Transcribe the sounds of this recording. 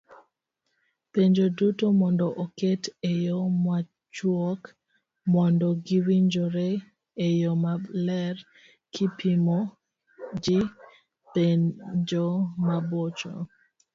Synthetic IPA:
peɲd͡ʒodutomɔndɔʔɔketejɔmwa | t͡ʃwɔk | mɔndɔɡiwiɲd͡ʒoɾe | ejɔmalɛr | kʰɪpʰimɔ | d͡ʒɪ | ped͡ʒomabot͡ʃo̰

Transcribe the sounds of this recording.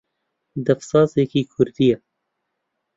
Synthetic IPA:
d̪ɛfsɑːzekiːkʰʊɾd̪ijɛ

